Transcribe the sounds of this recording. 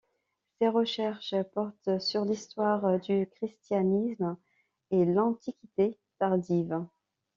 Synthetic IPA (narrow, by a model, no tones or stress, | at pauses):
seʁəʃɛʁʃpɔʁt̪syʁlist̪waʁd̪ykχist̪janism | elɑ̃t̪ikʲit̪e | t̪aʁd̪iv